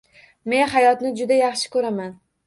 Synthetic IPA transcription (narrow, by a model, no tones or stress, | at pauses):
me̞nhajɒt̪nɪd͡ʒʊd̪ajɑχʃɪ̥kʰɵɾaman